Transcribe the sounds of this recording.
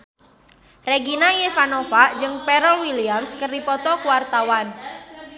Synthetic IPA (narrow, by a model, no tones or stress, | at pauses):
reɡinajefanofad͡ʒɨŋpeɾɔwiliamskərdipɔt̪ɔkuwart̪awan